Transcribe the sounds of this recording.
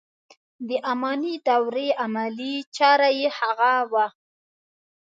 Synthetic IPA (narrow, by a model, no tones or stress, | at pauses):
d̪əʔamɑnid̪awɾeamalit͡ʃɑɾajehaɣawa